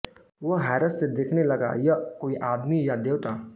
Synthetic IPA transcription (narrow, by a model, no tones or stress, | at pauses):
ʋəɦɛːɾəssed̪eːkʰnelɐɡa̰jəkoːiʔaːd̪mijad̪eːwt̪aː